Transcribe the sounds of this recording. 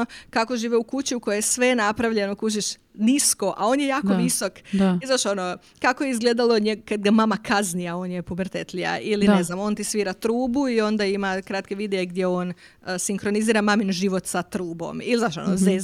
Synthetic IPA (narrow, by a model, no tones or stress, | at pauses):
okako̞ʒiːʋeukut͡ɕiukojejesʋe̞napɾaʋʎe̞nokuʃ̬iʃ | nisko̞ʔao̞njejaːkoʋiso̞kizaʃo̞no | kako̞jeizɡleːd̪alˠoɲeɡkad̪ɡamamakʰaznijao̞ːnjepobrt̪et̪lia̰ilineznamo̞ːnt̪isʋiːɾat̪ɾuːbuio̞nd̪aimakɾat̪ke̞ʋid̪eeɡd̪jeo̞ːn | siŋkɾo̞niziːɾamaminʒiʋo̞t̪sat̪ɾuːbo̞̰milizaʃo̰noze